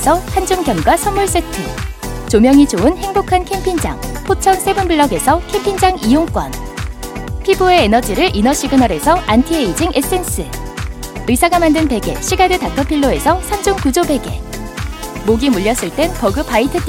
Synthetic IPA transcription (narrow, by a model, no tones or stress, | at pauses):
sʰʌhand͡ʑumɡjʌmɡwasʰʌmːuɭs͈etʰɯt͡ɕomjʌŋid͡ʑoɯnhe̞ŋbokʰankʰe̞mpʰind͡ʑa̰ŋpʰot͡ɕʰʌŋsʰe̞bɯnbɯɭːʌɡe̞sʰʌkʰe̞mpʰind͡ʑaŋijoŋk͈wʌn | pʰibue̞ːnʌd͡ʑiɾɯɭʔinʌɕ͈ʰiɡɯnʌɾe̞sʰʌantʰieid͡ʑiŋʔes͈e̞ns͈ʰɯ | ɯsʰaɡamandɯnpe̞ɡe̞̰ɕʰiɡadɯtakʰʌpʰiɭːoe̞sʰʌsʰamd͡ʑumkud͡ʑobe̞ɡe̞̰ | moɡimuʎːjʌs͈ɯɭt͈e̞npʌɡɯpaitʰɯt͈